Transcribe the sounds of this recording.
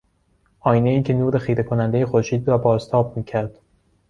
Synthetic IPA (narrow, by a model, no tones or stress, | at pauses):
ʔɒːjine̞iːcʰe̞nuːɾe̞xiːɾe̞kʰonænd̪ejexoɾʃiːd̪ɾɒːbɒːzt̪ʰɒːb̚miːcʰæɾd̪̥